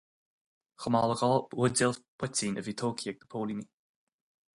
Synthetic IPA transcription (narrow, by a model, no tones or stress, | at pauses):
xəmaːləɡɔlˠʊdɪlpʰʊtiːnʔəviːt̪ʰoːkʰiɛɡ̚d̪ə̥pʰoːlini